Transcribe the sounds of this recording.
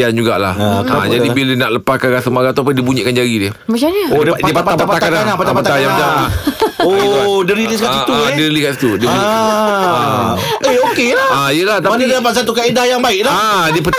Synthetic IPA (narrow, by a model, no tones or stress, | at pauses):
and͡ʒuɡaʔla̰had͡ʒadibilənaʔləpakanɾasəmaɡat̪uapəndibuɲiʔkand͡ʒaɡidiə | mat͡ʃaɲəoddiəpapaap̪apaak̪alalapat̪apat̪aajamda | odəɾiliskait̪udəɾiliskasi̥t̪udəi | aeokeaaijəlat̪amanədalap̬at̪̚sat̪ukaidajaŋbaɪʔlaadiəpət̪